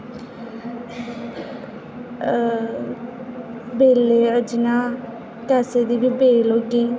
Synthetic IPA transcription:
beːleːəd͡ʒnaː | kɛːsed̪iːbiːbeːloːɡiː

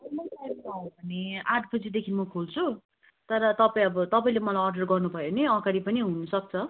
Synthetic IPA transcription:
ʌmʌtajmaũbʌniaɖpʰʌt͡sid̪ekʰinmʌkʰolt͡sʰu | t̪ʌɾʌt̪ʌpaĩʌbʌt̪ʌpaĩlemʌlajʌrɖʌrɡʌrnubʱʌjoneʌɡaɾipʌniɦunʌsʌk̚t͡sʰʌ

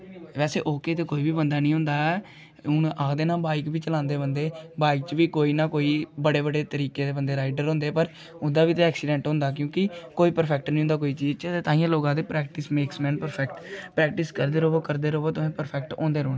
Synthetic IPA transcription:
ʋɛːsḛːʔoːkeːt̪eːkoːiːbiːbənd̪aːnĩːɦʊ̃ːnd̪aːɛ | ʊnaːd̪eːnãːbaːɪkbiːt͡ʃəlãːnd̪eːbənd̪eːbaːɪkt͡ʃʋiːkoːiːnãːkoːiːbəɽeːbəɽeːt̪əɾiːkeːd̪eːbənd̪eːɾaːɪɖəɾɦõːnd̪eːpəɾ | ʊnd̪aːʋiːt̪eɛːksɪːɖɛ̃ːɳʈɦõːnd̪aːk̬jõːkɪkoːiːpəɾpʰɛk̚ʈnĩɦʊ̃ːnd̪aːk̬oːiːt͡ʃiːzt͡ʃt̪et̪ãːĩjãːloːɡãːd̪eːpɾɛːkʈɪsmeːksmɛ̃ːnpəɾpʰɛkʈpɾɛːk̚ʈɪskəɾd̪eːɾoːbokəɾd̪eːɾoːboːt̪ʊẽːpəɾpʰɛk̚ʈõ̰ːnd̪eːɾoːɽ̃eː

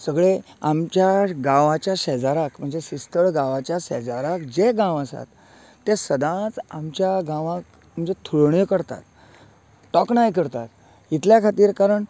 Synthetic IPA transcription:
səɡɭeamt͡ɕjaɡãʋat͡ɕjaɕɛd͡zaɾakm̤əɳd͡zesist̪əɭɡãʋat͡ɕjaɕɛ̰d͡zaɾakd͡ʑeɡãwəsa̰t̪ː | esəd̪ãt͡samt͡ɕjaɡãʋãk | m̤əɳd͡zet̪ʰuɭɳjəkəɽt̪a̰t̪ː | ɔknajkəɾt̪a̰t̪ | it̪ljakʰat̪iːɾkaɾəɳ

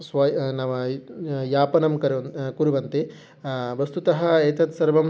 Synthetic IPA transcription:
sʋɐnɐʋɐjaːpɐnɐmkɐɾkuɾuʋɐnt̪i | ʋɐst̪ut̪ɐɦɐ̆eːt̪ɐt̪sɐɾʋɐm

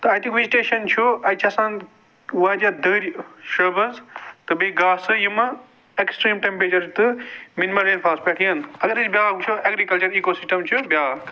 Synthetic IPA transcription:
t̪ɐaːjt̪ʰĩŋkʋeziʈeːʃɐnt͡ʃʰoɐjt͡ʃʰɐsãːn | ʋaːd͡ʒad̪əːɾʃɐbɐzt̪ɐbeɡaːsɨjumɐ | eksʈɾĩːmʈẽmpɾet͡ʃɐɾt̪ɨminimɐlɾẽːnfʰaːspɐːʈʰiɐnɐɡɐɾisbjaːkt͡ʃʰoeɡɾikɐlt͡ʃɐɾiːkoːsɪsʈɐ̃mt͡ʃʰubjaː

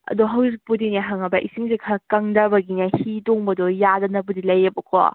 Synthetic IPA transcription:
ɐ̰dɔɦɐwzipudineɦaŋɐbɐʔisiŋzikʰakɐŋdɐbɐɡinahidoŋbɐdɔjadɐnɐbudilɐjɐbɐkʰɔ̰

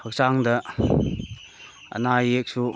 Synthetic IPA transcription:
hɐk̚t͡ʃaŋdɐ | ɐ̰najek̚su

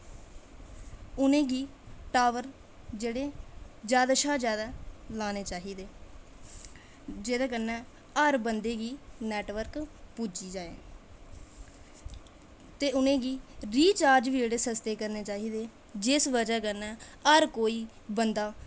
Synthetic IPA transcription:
ʊnẽːɡiːʈaːʋəɾ | d͡ʒeːɽeːd͡ʒjaːd̪aːʃaːd͡ʒjaːd̪aːlaːneːt͡ʃaːɦiːd̪eː | d͡ʒeːd̪aːkənɛː | əɾbənd̪eːɡiːnɛːʈʋəɾkpuːd͡ʒiːd͡ʒaːḛː | t̪eːʊnẽːɡiːɾiːt͡ʃaːɾd͡ʒʋiːd͡ʒeːɽeːsəst̪eːkəɾneːt͡ʃaːɦiːd̪eː | d͡ʒɪsʋəd͡ʒaːkəɾnɛːəɾkoːiː | bənd̪aː

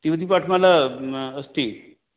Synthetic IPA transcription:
t̪iʋəd̪ipaʈʰmalaəst̪i

